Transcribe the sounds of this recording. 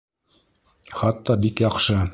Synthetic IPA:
χɑt̪ːɑbikjɑqʃɤ

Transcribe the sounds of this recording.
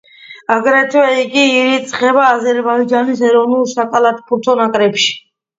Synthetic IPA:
aɡɾɛt̪ʰwɛiɡiːɾit̪sʼχɛbaːzɛɾbaid͡ʒanisɛɾɔvnulˠsakʼalat̪ʰpʰuɾt̪ʰɔnakʼɾɛpʃi̥

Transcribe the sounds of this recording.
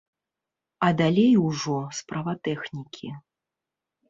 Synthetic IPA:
ɐd̪alʲejwʐɔspɾavɐt̪ɛxnʲikʲʰi

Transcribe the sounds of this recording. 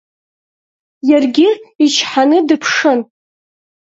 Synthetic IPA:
jarɡʲɪit͡ʃʰħanɨdɨpʰʂɨn

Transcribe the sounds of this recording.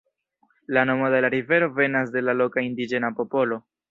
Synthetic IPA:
lano̞mode̞laɾive̞ɾo̞ve̞nas̬de̞lalo̞kaindid͡ʒe̞napo̞po̞lo̞

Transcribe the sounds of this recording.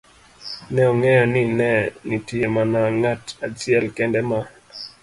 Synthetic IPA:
nɛɔŋɛjɔninɛnitijɛmanaŋatad͡ʒiɛlkɛndɛma

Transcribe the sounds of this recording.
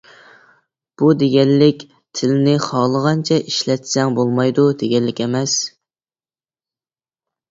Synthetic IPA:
b̥ud̪eɡʲɛnːɪkʲ | t̪ʰɪlɪnɪχɑːlˠəʁɑnt͡ʃʰɛʔiʃlɛt̪sɛŋbolˠmɑjd̪ud̪eɡʲɛlːɪkʲɛmɛs

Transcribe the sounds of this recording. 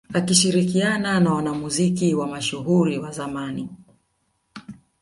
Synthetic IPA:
akiʃiɾikiananawanamuzikiwamaʃuɦuɾiwazamani

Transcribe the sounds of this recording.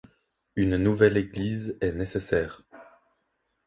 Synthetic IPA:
ynnuvɛleɡlizɛnesesɛːʁ

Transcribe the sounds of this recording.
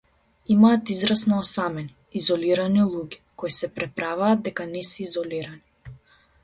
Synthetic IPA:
imaːt̪izɾasnaɔsamɛni | izɔliɾanilˠuɡʲikoisɛpɾɛpɾavaːd̪̚d̪ɛkanɛsɛizɔliɾani

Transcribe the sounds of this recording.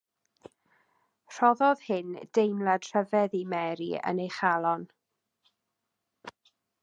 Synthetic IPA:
r̥ɔðɔð̥hɪnd̥ejmlˠɛd̥r̥əvɛðimɛɾḭə̰nejχalˠɔn

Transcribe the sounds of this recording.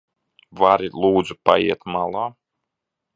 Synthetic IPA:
vaɾilˠuːd̪zupa̰jiɛt̪malˠaː

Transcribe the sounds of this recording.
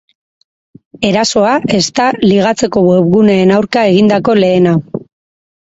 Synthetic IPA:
e̞ɾaso̞aʔe̞st̪aliɣat͡se̞ko̞wweβɣuneːnawɾkae̞ɣind̪ako̞le̞ːnaw

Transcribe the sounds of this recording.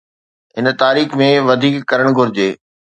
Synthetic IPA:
ɦɪnt̪aːɾiːxmẽʋɐd̪ʱiːkːɐɾəɽ̃ɡʱʊɾɪd͡ʑeː

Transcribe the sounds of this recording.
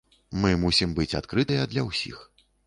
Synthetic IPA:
mɨmusʲimbɨt͡sʲa̰t̪kɾɨt̪ɐjɐd̪lʲɐwsʲḭx

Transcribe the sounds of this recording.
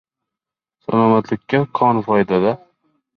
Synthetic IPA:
sa̰lˠɒmat̪lɪkʲʰːakʰɒnfɒd̪ad̪a

